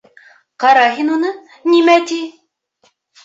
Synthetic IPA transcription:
qɑɾɑɦinunɤ | nimæt̪i

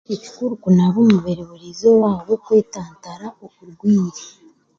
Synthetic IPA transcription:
eci̥kuɾukunaβomuβeɾeβuɾizowaːβokwe̞ːtaːntaɾaokuɾɡwiːɾe

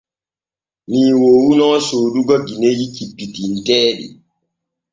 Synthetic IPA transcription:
miːwowunɔːsoɗuɡɔɡinejikipːitin̩tɛːɗḭ

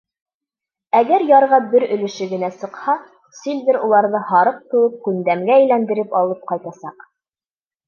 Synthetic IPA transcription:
æɡæɾjɑɾʁɑbɘɾɵ̆lɘ̆ʃɘɡɘ̆næsɤ̆qhɑ | silʲvʲɘɾulˠɑɾðɤhɑɾɤq̚t̪ŭwɤp̚kʉnd̪æmɡæːjlænd̪ɘ̆ɾɘpɑlˠɤp̚qɑjt̪ɑsɑq

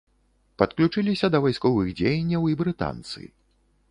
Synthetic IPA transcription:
pɐt̪klʲut͡ʂɨlʲisʲɐd̪ɐvajskɔvɨɣd͡zʲejɐnʲːɐwibɾɨt̪a̰nt̪sɨ̰

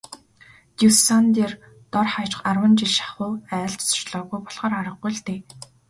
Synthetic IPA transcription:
t̪uwsant̪eːr | t̪ɔrχajt͡ɕ̆χarwə̆nt͡ɕiɮʃḁχʊːæːɮt͡ɕsʊ̥t͡ɕɮɔːɣujpɔɮʁ̥aːɾaɾə̆qɡujɮt̪eː

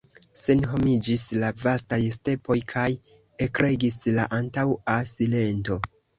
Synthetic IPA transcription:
se̞nɦo̞mid͡ʒislavastajste̞po̞jkʰaj | ekɾe̞ɡislaʔantawasile̞nto̞

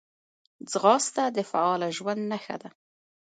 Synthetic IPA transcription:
d͡zɣɑst̪ad̪əfaɑlaʒwand̪naxa̰d̪a

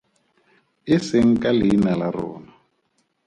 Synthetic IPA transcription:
ɪsɪŋ̩kʼalɪnalarɔ̰ːna

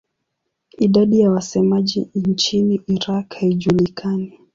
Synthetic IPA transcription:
iɗaɗijawasɛmaʄint͡ʃiniʔiɾakhaiʄulikʰani

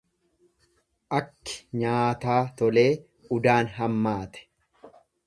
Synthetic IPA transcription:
ʔɐkːɪ̥ɲaːt̪aːt̪ɔle̞ː | ʊd̪aːnɦɐmːaːt̪ɛ̥

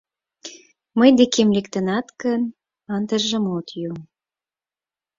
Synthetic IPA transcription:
məjd̪ekemlekt̪ə̆nɑt̪kən | ɑnt̪əʒə̆mot̪jum

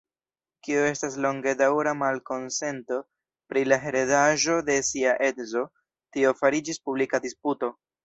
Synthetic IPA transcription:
kioe̞staslo̞ŋɡe̞dawɾamalko̞nse̞nto̞ | pɾilaɦe̞ɾedaʒo̞de̞siaʔetzo̞ | tio̞faɾid͡ʒispublikadisputo̞

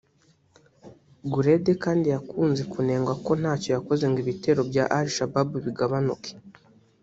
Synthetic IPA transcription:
ɡuɾe̞dekaːndijakuːnze̞kune̞ːŋɡwako̞n̥haːco̞jako̞ze̞ŋɡiβite̞ːɾo̞bjaʔaɾiʃababuβiɡaβanuke̥

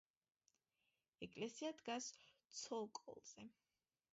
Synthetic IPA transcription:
ɛkʼlɛsiad̪ɡast̪sʰɔlˠkʼɔ̰lˠz̥ɛ

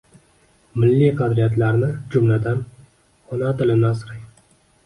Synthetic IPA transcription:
mɪlːiqʰɑd̪ɾijat̪laɾnɪd͡ʒʊmlad̪an | hɒnat̪ɪlɪnasɾɪj

